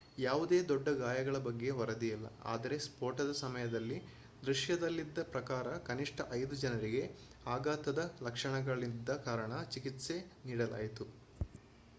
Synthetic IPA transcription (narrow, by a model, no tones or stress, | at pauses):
jaːʋud̪e̞ːd̪ɔɖːɐɡaːjɐɡɐɭɐbɐɡːe̞ʋɐɾɐd̪ijɐlːɐ̰a̰ːd̪ɐɾe̞spoːɾʈɐd̪ɐsɐmɐjɐd̪ɐlːi | d̪ɾuʂjɐd̪ɐlːid̪ːɐpɾɐkaːɾɐkɐniʂʈɐʔɐjd̪ud͡ʒɐnɐɾiɡe̞ | aːɡaːt̪ɐd̪ɐlɐkʂɐɳɐɡɐɭid̪ːɐkaːɾɐɳɐt͡ʃikit̪se̞niːɽɐla̰ːjit̪u